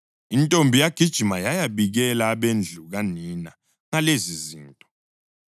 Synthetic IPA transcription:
intʼombʱijaɡ̥ʱid̥ʒ̥ʱimajajaɓiɣ̬ɛlaːɓend͡ɮʱuɣ̬anina | ŋaleziziːntʼɔ

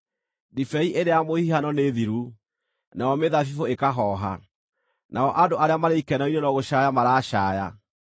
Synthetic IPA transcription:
difɛiʔeɾeamohihanɔneðiɾu | naɔmeðafifoekaɦɔːɦa̰ | naɔʔadoʔaɾeamaɾeikɛnɔinenɔɣoɕajamaɾaːɕaːja

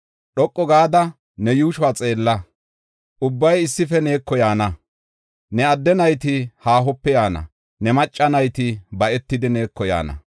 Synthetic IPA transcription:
ɗɔkʼːɔɡaːd̪ɐ | nɛjuːʃʊwaːt͡sʼe̞ːlːɐ | ʔʊbːɐjɪsːɪfɛne̞ːkːɔjaːnɐ | nɛɐd̪ːɛnɐjt̪ɪhaːɦɔpːɛjaːnɐ̰ | nɛmɐt͡ʃʼːɐnɐjt̪ɪbɐʔɛt̪ːɪd̪ɪne̞ːkːɔja̰ːnɐ̰

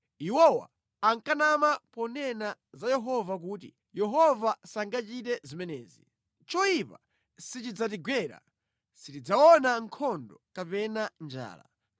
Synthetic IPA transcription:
iwɔwa̰ː | ŋkanamapɔnɛnazajɛɦɔvak̬uːt̬ḭ | jɛɦɔvasaŋɡat͡ʃitɛzimɛnɛːzi | t͡ʃɔipa | sit͡ʃid͡zat̬iɡwɛɾa̰ | sitid͡zawɔnaŋ̩kʰɔndɔkapɛnand͡ʒa̰ːla̰

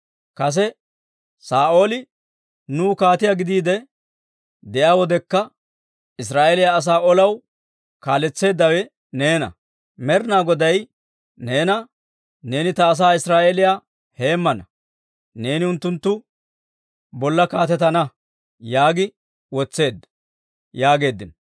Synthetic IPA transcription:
kɐs̬ɛ | saːʔo̞ːlɪ | nuːkaːt̪ɪjaːɡɪd̪iːd̪ɛ | d̪ɛʔaːwɔd̪ɛkːɐ | ɪs̬ɾaːʔelɪjaːs̬aːɔlɐw | kaːlɛt͡sːe̞ːd̪ːɐwɛ | ne̞ːnɐ̰ | mɛɾnaːɡɔd̪ɐj | ne̞ːnɐ | ne̞ːnɪt̪ɐːs̬aːɪsɾaːʔelɪjaː | he̞ːmːɐnɐ | ne̞ːnɪʊnt̪ːʊnt̪ːʊ | bɔlːɐkaːt̪ɛt̪ɐnɐ | jaːɡɪ | wɔt͡sːe̞ːd̪ːɐ̥ | jaːɡe̞ːd̪ːɪn

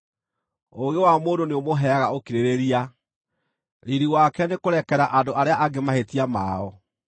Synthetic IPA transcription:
oɣewamoːdoneomoɦɛaɣaokiɾeɾeɾia | ɾiɾiwakɛnekoɾɛkɛɾaʔadoʔaɾeaʔaɡemahetiama̰ɔ

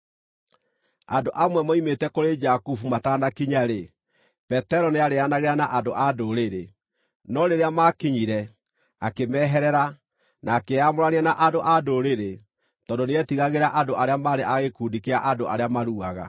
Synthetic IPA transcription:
a̰ndoʔamwɛmɔimetɛkoɾed͡ʒakufumataːnakiɲaɾe | pɛtɛɾɔneaɾeanaɣeɾanaʔadoʔadoɾeɾe | nɔɾeɾeamakiɲiɾɛ | akemɛːɦɛɾɛɾa | naːkeamoɾaneɛnaʔadoʔadoɾeɾe | tɔndoneɛtiɣaɣeɾaʔadoʔaɾeamaɾeʔaɣekuːdikeaʔadoa̰ɾeamaɾuaɣa̰

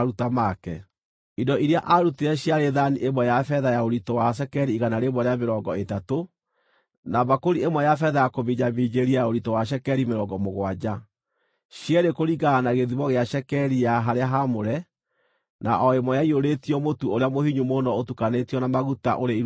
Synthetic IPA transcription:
ɾutamakɛ | idɔʔiɾeaʔaɾuteɛɕjaɾeðaniʔemwɛjafɛðajaoɾitɔwaʃ̬ɛkɛɾiːɣanaɾemwɔɾeameɾɔŋɡɔetato | naβakoɾiemwɛjafɛðajakoβiɲamid͡ʑeɾiajaoɾitɔwaʃ̬ɛkɛɾimeɾɔŋɡɔmoɣwad͡ʑa | ɕjɛɾekoɾiɡaːnaɣeðiβɔɣeaʃɛkɛɾijaɦaɾeaɦamoɾɛ | na̰ʔɔemɔjaioɾetiɔmotuoɾeamohiɲumonɔotukanetiɔnamaɣuta̰ʔoɾei

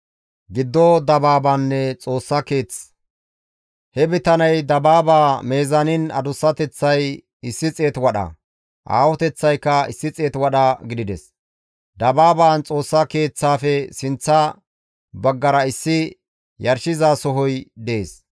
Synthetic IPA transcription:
ɡɪd̪ːɔd̪ɐbaːbaːnːɛt͡sʼo̞ːsːɐke̞ːt͡s | hɛbɪt̪ɐnɐjd̪ɐbaːbaːme̞ːzɐnɪnɐ̰d̪ʊsːɐt̪ɛt͡sːɐj | ɪsːɪt͡sʼeːt̪wɐɗɐ̰ | ʔa̰ːwɔt̪ɛt͡sːɐjkːɐɪsːɪt͡sʼe̞ːt̪wɐɗɐɡɪd̪ɪd̪ɛs | d̪ɐbaːbaːnt͡sʼo̞ːsːɐke̞ːt͡sːaːfɛsɪnt͡sːɐ | bɐɡːɐɾɐɪsːɪ | jɐɾʃɪzaːsɔɦɔjd̪ɛeːs

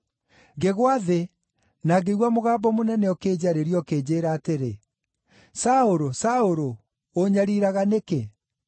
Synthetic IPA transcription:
ɡeɣwaðe | naɡeɣwamoɣaːbɔmonɛnɛɔkeːd͡ʑaɾeɾjɔkeːd͡ʑeːɾaːteɾe | saoɾosaoɾoː | ɲaɾiɾaɣaneke

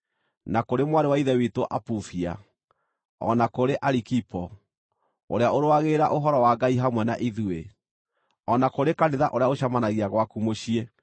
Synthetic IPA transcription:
nakoɾemwaɾewaiðɛwitoʔapuθia̰ | ɔ̰nakoɾeʔaɾikipɔ | o̰ɾeaoɾwaɣeɾaʔoɦɔɾɔwaɡaiɦamwɛna̰ʔiðue | ɔnakoɾekaneðaʔoɾeaoɕamanaɣiaɣwakumoʃie

